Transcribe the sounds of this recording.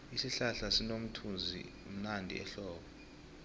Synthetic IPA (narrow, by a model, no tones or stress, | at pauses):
isiɬaɬasinom̩tʰund͡zʱḭum̩nandʱḭɛ̰ɬɔːɓɔ